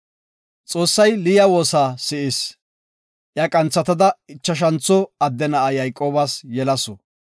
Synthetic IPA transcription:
t͡sʼo̞ːsːɐjlɪjɐwo̞ːsaːsɪʔɪs | ʔjakʼɐnt͡sːɐt̪ɐd̪ɐɪt͡ʃːɐʃ̬ɐnt͡sːɔɐd̪ːɛnɐɐjɐjkʼːo̞ːbasjɛlɐsɔ

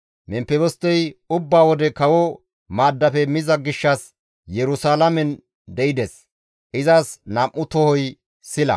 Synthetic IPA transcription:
mɛmpːɛbɔst̪ːɛjʊbːaːwɔd̪ɛkɐwɔ | maːd̪ːɐfɛmɪzɐɡɪʃːɐs | jɛɾʊsaːlɐmɛn | d̪ɛɪd̪ɛs | ʔɪzɐsnɐʔːʊt̪ɔhɔj | sɪlɐ̰

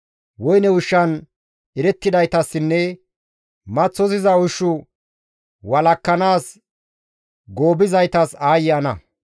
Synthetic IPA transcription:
wɔjnɛwʊʃːɐn | ɪɾɛt̪ːɪd̪ɐjt̪ɐsːɪnːɛ | mɐt͡sːɔzɪzɐʊʃːʊ | wɐlɐkːɐnaːs | ɡo̞ːbɪzɐjt̪ɐsaːjɪjɐnɐ̰

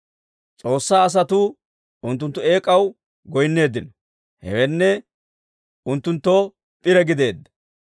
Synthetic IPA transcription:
t͡sʼo̞ːsːaːɐs̬ɐt̪ʊ | ʔʊnt̪ːʊnt̪ːʊe̞ːkʼɐw | ɡɔjnːe̞ːd̪ːɪnɔ | hɛ̰wɛnːɛ | ʔʊnt̪ːʊnt̪ːo | pʼɪɾɛɡɪd̪e̞ːd̪ːɐ̥

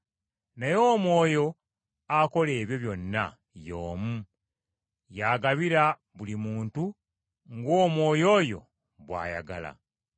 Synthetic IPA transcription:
najo̞ːmwo̞ːjo̞ | ako̞le̞ːβjo̞βjo̞nːa̰ | jo̞ːmu | jaːɡaβiɾa | βulimuːntu | ŋɡoːmwo̞ːjo̞ːjo̞̰ | βwa̰ːja̰ɡa̰la̰

